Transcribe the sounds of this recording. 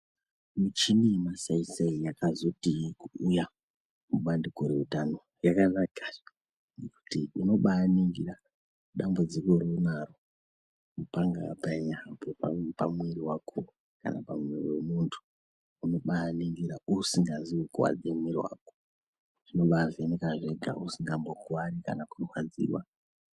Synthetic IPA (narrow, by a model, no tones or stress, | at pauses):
mut͡ʃinimasaisaijakazo̞tiikuuja | muɓandikoɾeutano̞ | jakanaka | neku̥tiino̞ɓaːniŋɡḭɾa | ɗambud͡zikorenaro | mupaŋɡa̰paeɲabopapa̰mweɾiwakʰo | ka̰napamweriwe̞muntʰu̥ | uno̞ɓaːniŋɡiɾausiŋɡaziwekuwa̰d͡zemirwa̰ːko̥ | ʐ̥ino̞ɓaʐenekaʐe̞ɡʱa̰usiŋɡambokuwaɾika̰nakurwad͡zḭwa̰